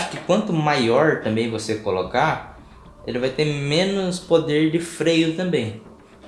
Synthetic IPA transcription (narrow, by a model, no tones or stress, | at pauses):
aʃʊ̥kɪkwɐ̃nt̪ʊmajɔɾt̪ɐ̃mbẽj̃vosekoloka | elɪvajt̪emẽnʊspod̪eɾd͡ʒɪfɾejʊt̪ɐ̃mbẽj̃